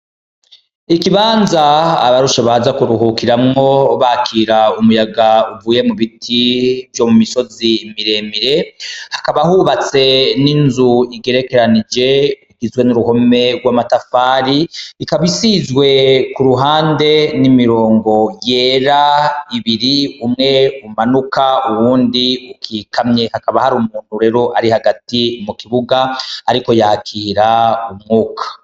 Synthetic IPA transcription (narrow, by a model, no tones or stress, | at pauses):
ikiβaːnza̰ːβaɾuʃeβazakuɾuɦukiɾamŋo̞βakʰiːɾaumujaɡauvuːje̞muβitʰivjo̞mumiso̞zimiɾe̞miɾe̞hḁkaβahuβat͡se̞ninzuiɡe̞ɾe̞ke̞ɾanid͡ʒe̞iɡizwe̞nuɾuho̞me̞ɡwamatafaːɾiikaβisizwe̞kuɾuɦaːnde̞nimiɾoːŋɡo̞je̞ːɾaiβiɾiumŋe̞umanukauwuːndiukʰiːkʰamɲe̞hakaβahaɾumuːn̥huɾe̞ɾo̞ʔaɾihaɡatimukiβuɡaaɾiko̞jaːkʰiːɾaumŋuːkʰḁ